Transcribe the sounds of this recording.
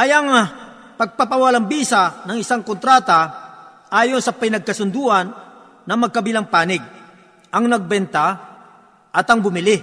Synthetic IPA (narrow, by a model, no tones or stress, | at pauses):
ʔɐjɐŋ | pɐɡ̚papɐwalɐŋbiːsanɐŋɪsaŋkont̪ɾaːt̪a | ʔaːjonsɐpɐnɐɡ̚kɐsʊnd̪uʔɐnː | ɐmɐɡ̚kɐbɪlaŋpaːnɪɡ̚ | ʔɐŋnɐɡ̚bɛnt̪a | ʔɐt̪ɐŋbʊmɪlɪ